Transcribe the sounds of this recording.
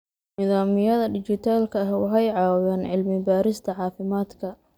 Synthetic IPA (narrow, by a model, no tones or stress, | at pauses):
nɪðaːmɪjɐðɐɖɪt͡ʃɪt̪ʰaːlkʰɐɐhwɑħɑjʕɑːwwɛːnʕɪlmɪbaːɾɪst̪ʰɐʕɑːfɪmaːd̪kʰɐ